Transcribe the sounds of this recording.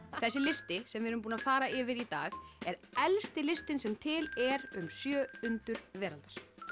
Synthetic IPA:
θɛsːɪlɪst̪ɪsɛmvɪɾʏmp̬uːnafaːɾaɪːvɪɾit̪aːɣɛɾɛlst̪ɪlɪst̪ɪnsɛmt̪ʰɪlɛɾʏmsjœːʏnt̪ʏɾ̥vɛːɾalt̪ḁɾ̥

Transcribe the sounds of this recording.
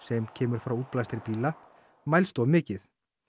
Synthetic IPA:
sɛmcʰɛːmʏɾ̥fɾawuːt̪̚plajst̪aɾɪpiːla | majlst̪ɔwmɪːcɪθ

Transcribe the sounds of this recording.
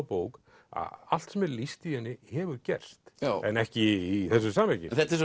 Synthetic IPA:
poːwk | a̰a̰l̥t̪sɛmɛɾlist̪ihɛnːɪhɛːvʏɾcɛ̰r̥st̪jaɛ̰nɛhcɪiθɛs̬ːʏsaːmɛcɪθɛt̪ɪs

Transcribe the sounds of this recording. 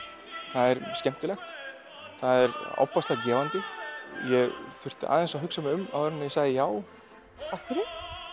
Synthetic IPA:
θaðɛɾscɛm̥t̪ɪlɛxt̪ | θaðɛɾa̰wpast̪lacɛːvant̪ʏjɛɣfʏr̥t̪ɪ̰ʔa̰ːðɛnsaɦʏksamʏma̰wfɾɛnːajɛsaːɣðɪjaːw | afk̪ɪɾɪ

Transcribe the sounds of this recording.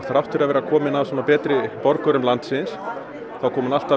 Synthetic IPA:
θaɾaft̪ʏɾavɛːɾakʰɔːmɪnavsɔnapɛːt̪ɾɪpɔɾkœɾʏmlant̪sɪns | θawkʰɔːmʏnal̥t̪a

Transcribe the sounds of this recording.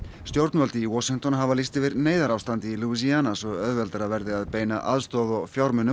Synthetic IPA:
st̪jowɾt̪nvœlt̪ɪiwɔsiŋ̥t̪ɔnɦavalist̪ɪvɪɾneːjðaɾawst̪ant̪ɪiluisianasɔɣœðvɛlt̪ɾavɛɾðɪaðpeːjna̰ʔaðst̪ɔðɔɣfjawɾmʏnːʏ

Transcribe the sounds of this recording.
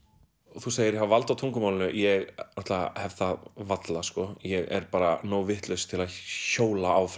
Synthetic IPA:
θus̬eːjɪɾɦavalt̪awt̪ʰuŋkʏmawlɪnʏjɛɣnɔht̪lahɛvðθaðvat̪laskɔjɛɣɛ̰ɾ̥paːɾanoːwvɪht̪lœɥst̪ʰɪlaðçoːwlaawf

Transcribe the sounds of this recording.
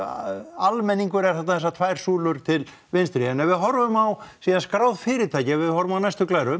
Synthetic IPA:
almɛnːiŋkʏɾɛɾ̥θat̪naθɛs̬ːat̪ʰvaːjɾ̥suːlʏɾ̥t̪ʰɪl | vɪnst̪ɾiɛnːɛvɪðɦɔɾvʏmawsiːðanskɾawðfɪːɾɪt̪ʰaːjcɪavɪðhɔɾvʏmawnajst̪ʏklaːjɾʏ

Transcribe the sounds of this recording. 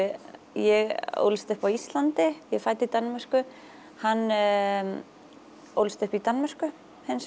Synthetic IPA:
jɛɣo̰wlst̪ʏhpawist̪lant̪ɪjɛfajt̪ɪit̪anmɛr̥kʏ | hanː | o̰wlst̪ʏhpit̪anmɛr̥kʏ | hɛns

